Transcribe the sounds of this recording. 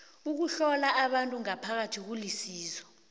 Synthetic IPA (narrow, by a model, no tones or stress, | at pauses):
uk̬uɬɔlaʔːɓantʼuŋapʰak̬atʰik̬ulisiːzɔ